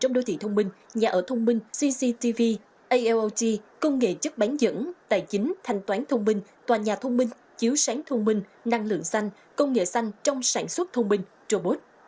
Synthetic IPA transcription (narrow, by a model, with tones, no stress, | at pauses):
t͡ɕɔ˧wŋ͡mɗo˨˧˦t̪ʰḭ˧˨˩t̪ʰə˧wŋ͡mmï˧ŋ̟ɲaː˨˩ʔəː˧˩t̪ʰə˧wŋ͡mmï˧ŋ̟si˧si˧t̪i˧vi˧ | ʔə˧jʔɛ˧ʔo˧ti˧kə˧wŋ͡mŋḛ˧˨t͡ɕə˦˥t̚ɓa˨˦nzə̰˧˥ŋɗ̪aː˨˩jt͡ɕï˨˦ŋ̟t̪ʰa˨˩jŋ̟t̪waː˨˦nt̪ʰə˧wŋ͡mmï˧ŋ̟ | t̪waː˨˩ɲaː˨˩t̪ʰə˧wŋ͡mmï˧ŋ̟ | t͡ɕi˨˦əwsaː˨˦ŋt̪ʰə˧wŋ͡mmï˧ŋ̟na˧ŋlɨ̰˧˨əŋsa˧jŋ̟ | kə˧wŋ͡mŋḛ˧˨sa˧jŋ̟t͡ɕɔ˧wŋ͡msaː˧˩nswə˦˥t̚t̪ʰə˧wŋ͡mmï˧ŋ̟ | t͡ɕo˧ɓo˦˥t̚